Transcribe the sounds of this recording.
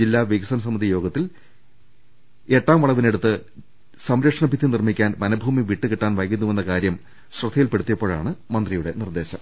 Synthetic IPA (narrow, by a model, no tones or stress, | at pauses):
d͡ʑilːaːʋiɡɐsɐnɐs̬ɐmɐd̪ʱijo̞ːɡɐt̪ːil | e̞ʈːaːmʋɐɭɐʋineɽut̪ːɨ | sɐmɾɐkʂɐɳɐbʱit̪ːinirmikʲːaːnʋɐnɐbʱuːmiʋiʈːɨkiʈːaːnʋɐjkːinːume̞nːɐkaːɾjɐm | srɐd̪ʱɐjilpe̞ɽut̪ːijɐpːo̞ːɭa̰ːɳɨmɐnd̪rijuɽe̞nird̪e̞ːɕɐm